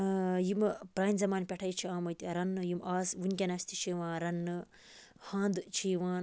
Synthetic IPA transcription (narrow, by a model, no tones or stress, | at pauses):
jimpɾaːnʲzɐmaːnpʲɐʈʰɐjt͡ʃʰiãːmɐjt̪iɾɐnːɨjimaːsʋunʲkʲɐnɐsʲt̪ʰit͡ʃʰiʋãːɾɐnːɨ | hãːnd̪t͡ʃʰiːʋãːn